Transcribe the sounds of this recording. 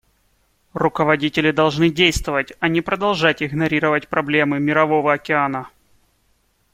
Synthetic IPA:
rʊkəvɐdʲitʲɪlʲɪd̪ɐlˠʐnɨdʲejst̪vəvətʲɐnʲɪpɾəd̪ɐlˠʐatʲɪɡnɐɾʲiɾəvətʲpɾɐblʲe̞mɨmʲɪɾɐvo̞vəɐkʲɪanə

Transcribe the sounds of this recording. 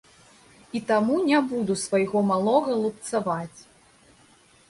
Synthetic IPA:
it̪amunʲabud̪usvajɣɔmalˠɔɣɐlˠup̚t̪savat͡sʲ

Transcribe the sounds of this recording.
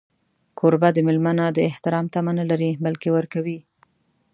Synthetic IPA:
kʰoɾbad̪əmɪlmanad̪əɪht̪ɪɾɑmt̪amanalaɾibalkewəɾkawi

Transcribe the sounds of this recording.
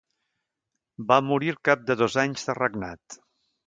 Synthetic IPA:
bamuɾiɾkap̚d̪əðɔzaɲzðərəɡnat̪

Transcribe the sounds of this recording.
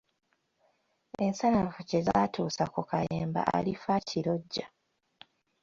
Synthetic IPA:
ensanafucezaːtʰuːsakokajeːmba̰ʔa̰lifacʰiɾo̞ɟːa

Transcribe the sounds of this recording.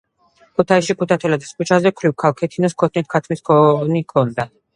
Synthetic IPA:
kʰut̪ʰaisʃikʰut̪ʰat̪ʰɛlad̪iskut͡ʃʰazɛkʰɾivkʰalˠkʰɛt̪ʰinɔskʰɔt̪ʰnit̪̚ʰkʰat̪ʰmiskʰɔnikʰɔnd̪a

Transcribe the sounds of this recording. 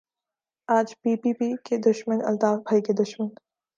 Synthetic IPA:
aːd͡ʒpiːpiːpiked̪ʊʃmənɐ̰lt̪aːbʱaːiked̪ʊʃmən

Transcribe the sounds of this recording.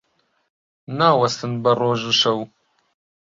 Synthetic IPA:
naːwɐst̪ɨnbɐroːʒuʃɐw

